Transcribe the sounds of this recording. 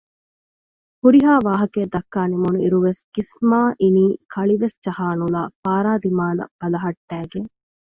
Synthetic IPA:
huɾiɦaːʋaːɦɐkeːd̪ɐkːaːnimunuiɾuʋesɡ̥ismaːʔiniːkʰɐɭiʋesd͡ʒɐhaːnula̰ːfaːɾaːd̪imaːlɐ̰b̥ɐlɐɦɐʈːæːɡeŋ

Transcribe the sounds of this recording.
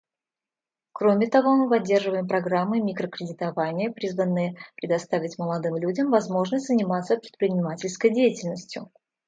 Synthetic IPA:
kɾomʲɪt̪ɐvo̞mɨpɐdʲːe̞rʐɨvəjɪmpɾɐɡɾamːɨmʲikɾəkɾʲɪdʲɪt̪ɐvanʲɪjəpɾʲizvənːɨjəpɾʲɪd̪ɐst̪avʲɪtʲməlˠɐd̪ɨmlʲudʲəmvɐzmo̞ʐnəsʲtʲzənʲɪmat̪səpɾʲɪt̪pɾʲɪnʲɪmatʲɪlʲskəjdʲejɪtʲɪlʲnəsʲtʲjʊ̰

